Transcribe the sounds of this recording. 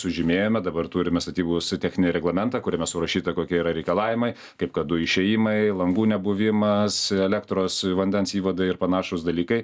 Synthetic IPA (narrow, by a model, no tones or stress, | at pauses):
sʊʒʲɪmʲeːjoːmʲɛd̪ɐbɐrt̪uːɾʲɪmʲɛst̪ɐt̪ʲiːbust̪ʲæxʲnʲɪnʲeɾʲɛɡlˠɐmʲɛnt̪ɑːkʊɾʲɛmʲɛsʊɾɐʃʲiːt̪ɐkoːkʲiɛiːɾɐɾʲɛɪkɐlˠɑːʋʲɪmɐɪ | kɐɪpkɐtd̪ʊɪʃʲɛjɪmɐɪlˠɐŋɡuːnʲɛbʊʋʲɪmɐsɛlʲækt̪ɾoːsʋɐnʲd̪ʲɛnsiːʋɐd̪ɐɪɪɾpɐnɑːʃʊsd̪ɐlʲiːkɐɪ